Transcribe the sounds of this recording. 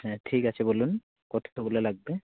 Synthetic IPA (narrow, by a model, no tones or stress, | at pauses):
ʈʰikat͡ɕʰebolun | kɔt̪ʰabulelaɡ̚be